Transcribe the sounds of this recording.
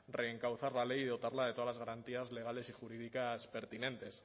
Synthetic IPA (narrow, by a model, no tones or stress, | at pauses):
re̞ːŋkawθaɾlale̞jðo̞t̪aɾlaðet̪oalazɣaɾant̪iazle̞ɣale̞sixuɾiðikaspe̞ɾt̪ine̞nt̪e̞s